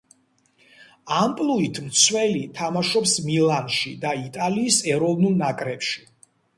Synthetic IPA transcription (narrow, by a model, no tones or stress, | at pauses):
ampʼlˠuit̪ʰmt̪sʰwɛlit̪ʰamaʃɔpsmilanʃid̪ait̪ʼaliːsɛɾɔvnulˠnakʼɾɛpʃi̥